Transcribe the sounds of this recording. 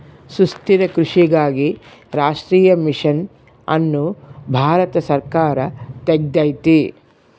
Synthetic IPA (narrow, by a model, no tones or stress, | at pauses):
sust̪iɾɐkɾuʂiɡaːɡiɾaːʂʈɾiːjɐmiʂɐn | ɐ̰nːubʱaːɾɐt̪ɐsɐɾkaːɾɐt̪eɡ̚d̪ɐjt̪i